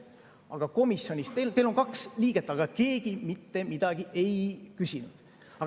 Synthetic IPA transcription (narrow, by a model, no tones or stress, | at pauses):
ɑɡ̥ɑko̞misjo̞nʲist̪elt̪e̞lo̞ŋkɑksliːɡ̥e̞t̪ːˑɑɡ̥ɑke̞ːɡ̥imit̪ːe̞mid̪̥ɑɡ̥iʔe̞jkysinud̪̥ | ɑ